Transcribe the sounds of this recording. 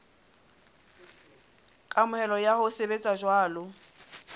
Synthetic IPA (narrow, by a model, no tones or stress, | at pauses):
kʼamʊhɛlɔjahʊsebet͡sʼaʒwaːlʊ